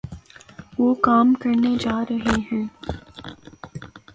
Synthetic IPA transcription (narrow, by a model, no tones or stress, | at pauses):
ʋoːkaːmkɐɾned͡ʒaːɾɐɦeɦɛ̃ː